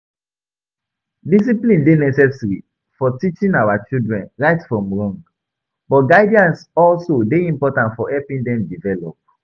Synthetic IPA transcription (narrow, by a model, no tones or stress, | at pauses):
dis̬iplĩndenɛsɛvsɹi | fɔtit͡ʃĩnawat͡ʃildɹɛ̃nɹaɪtfɹɔ̃mɹɔ̃ŋɡ | bɔtɡaɪdiãnsɔlsodeĩmpɔtãntfɔʔɛpĩndɛ̃mdivɛlɔp̚